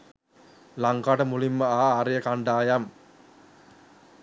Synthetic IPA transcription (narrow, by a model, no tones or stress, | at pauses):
laŋkaʈəmulimːəaːɾejəkaɳɖaːjam